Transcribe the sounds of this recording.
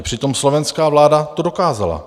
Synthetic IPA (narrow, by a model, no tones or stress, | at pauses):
pr̝̥ɪt̪o̞mslo̞vɛnskaːvlaːdat̪odokaːza̰la̰